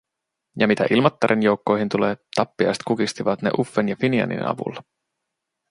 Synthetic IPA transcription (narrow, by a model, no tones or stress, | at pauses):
jɑmit̪æ̰ʔilmɑt̪ːɑɾʔenjo̞wkːo̞jɦint̪ule̞ːt̪ɑpːiɑ̰jst̪kukist̪iʋɑt̪ne̞̰ʔufːenjɑfiniɑ̰nḭnɑ̰ʋṵlːɑ